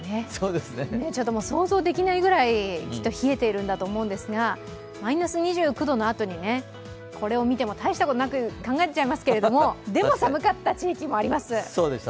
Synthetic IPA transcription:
ne̞soːd̪esɨnene̞t͡ɕo̞t̪ːomoːso̞ːzo̞ːd̪e̞kʲinaiɡɯ̟ɾaikʲi̥t̪ːo̞çie̞t̪e̞iɾɯ̟̃nd̪at̪o̞ːmoɯ̟̃nd̪e̞sɨɡa | mainasɨɲ̟iʑɨːkɯ̟d̪o̞no̞at̪o̞ɲ̟ine̞ | kʰo̞ɾe̞o̞mʲit̪e̞mo̞t̪aiɕi̥t̪ako̞t̪onakɯkãŋɡaet̪et͡ɕaimasɨ̥ke̞ɾe̞d̪o̞mo̞d̪e̞mo̞samɯ̟kat̪ːat͡ɕiːkʲimo̞aɾʲimasɨsoːd̪es

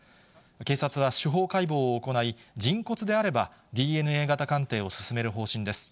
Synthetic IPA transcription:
ke̞ːsat͡sɨβ̞aɕɨɦo̞ːkaibo̞ːko̞naid͡ʑĩŋko̞t͡sɨd̪e̞aɾe̞ba | d̪ʲiːe̞nɯ̟e̞ːɡat̪akãnt̪e̞ːo̞sɨ̥sɨme̞ɾɯ̟ɦo̞ːɕĩnd̪e̞sɨ̥

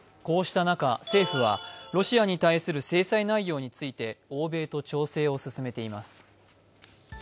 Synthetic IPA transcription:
ko̞ːɕi̥t̪anakase̞ːɸɯ̟βa̰ɾo̞ɕiaɲ̟it̪aisɨɾɯ̟se̞ːsainaijo̞ːɲ̟it͡sɨit̪e̞o̞ːbe̞ːt̪o̞t͡ɕo̞ːse̞ːo̞sɨsɨme̞t̪e̞imasɨ̥

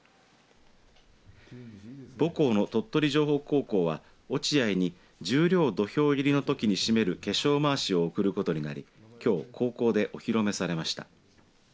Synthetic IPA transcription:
bo̞ko̞ːno̞t̪o̞t̪ːo̞ɾʲiʑo̞ːɦo̞ːko̞ːko̞ːβ̞a | o̞t͡ɕiaiɲ̟i | d͡ʑɨːɾʲo̞ːd̪o̞ço̞ːiɾʲino̞t̪o̞kʲiɲ̟iɕime̞ɾɯ̟ke̞ɕo̞ːmaːɕio̞ːkɯ̟ɾɯ̟ko̞t̪o̞ɲ̟ina̰ɾʲḭ | kʲo̞ːkʰo̞ːko̞ːd̪e̞ʔo̞çiɾo̞me̞saɾe̞maɕi̥t̪a̰

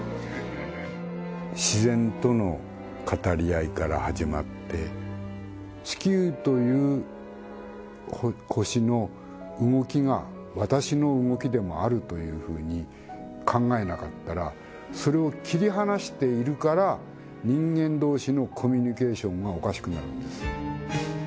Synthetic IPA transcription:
ɕizẽ̞nt̪o̞no̞ | kʰat̪aɾʲiaikaɾa̰haʑima̰t̪ːe̞̰ | t͡ɕi̥kʲɨːt̪o̞jɯ̟ː | hokʰo̞ɕino̞ | ɯŋo̞kʲiɡa̰ | βat̪aɕino̞ɯŋo̞kʲid̪e̞moaɾɯ̟t̪o̞jɯ̟ːɸɯ̟̰ːɲ̟i | kʰãŋɡae̞nakat̪ːaɾa | so̞ɾe̞o̞kʲiɾʲiɦanaɕi̥t̪e̞iɾɯ̟kaɾa | ɲ̟ĩŋɡẽ̞nd̪o̞ːɕino̞kʰo̞mʲiɲ̟ike̞ːɕõ̞ŋɡao̞kaɕi̥kɯ̟naɾɯ̟̰nd̪̥e̞sɨ̥

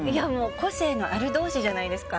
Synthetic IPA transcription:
iamo̞ːko̞se̞ːno̞ʔaɾɯ̟d̪o̞ːɕiʑanaid̪e̞sɨ̥ka

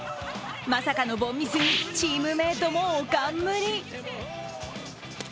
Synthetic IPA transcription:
masakano̞bõ̞mʲːisɨɲ̟ʲit͡ɕiːmɯ̟me̞ːt̪omoːkamːɯ̟ɾʲi

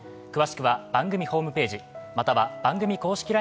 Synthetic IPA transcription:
kɯ̟βaɕi̥kɯ̟βab̥ãŋɡɯ̟mʲiho̞ːmɯ̟pe̞ːʑimat̪aβab̥ãŋɡɯ̟mʲiko̞ːɕi̥kʲiɾa

